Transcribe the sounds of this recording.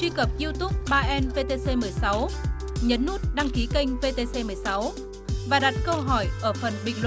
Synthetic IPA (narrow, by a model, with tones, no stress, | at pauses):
t͡ɕwi˧kə˨˩p̚zi˧əwt̪u˦˥p̚ɓaː˧ʔɛ˧nve˧t̪e˧se˧mɨ˨˩əjsa˨˦w | ɲə˨˦nːu˦˥t̚ɗa˧ŋki˨˦kə˧jŋ̟ve˧t̪e˧se˧mɨ˨˩əjsa˨˦w | vaː˨˩ɗa˨˩t̚kə˧wɦɔ˧˩jʔəː˧˩fə˨˩nɓï˨˩ŋ̟lw